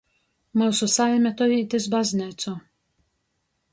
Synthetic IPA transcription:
mawsɔsamɛt̪ɔit̪ɛzbaznɛt̪t͡s̪ɔ

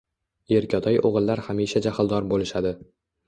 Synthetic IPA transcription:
eɾkʲʰɒt̪ʰɒjʔoʁɨlˠːaɾhamiʃad͡ʒahlˠd̪ɒɾbolɪʃad̪ɪ

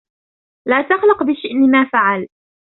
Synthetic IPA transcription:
laːt̪ɑxlʊqbɪʃɪʔnɪmaːfaʕal

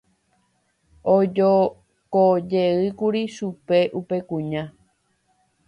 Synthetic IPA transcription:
od͡ʒo | kod͡ʒeɨkuɾiʃupe̞ʔupe̞kũɲã

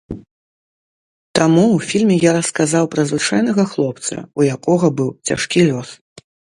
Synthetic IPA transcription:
t̪amuwfʲilʲmʲɛjaɾɐskazawpɾɐzvɨt͡ʂajnɐɣɐxlˠɔpt̪sɐ̰ujakɔɣɐbɨwt͡sʲa̰ʂkʲilʲɔs

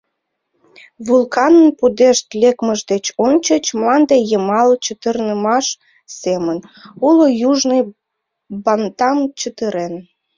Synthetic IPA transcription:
βulkɑnənpud̪eʃt̪lekməʒd̪et͡ɕonʲt͡ɕət͡ɕmlɑnd̪ejəmɑlt͡ɕət̪ərnəmɑʃ | semənulojuʒnəj | bɑnt̪ɑmt͡ɕət̪əɾen

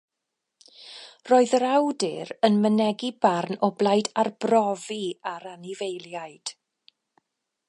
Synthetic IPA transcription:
roːɨðəɾawdɪɾənmənɛɡibarnɔblˠajdarbrɔviaɾanivejlˠjaɨd̥

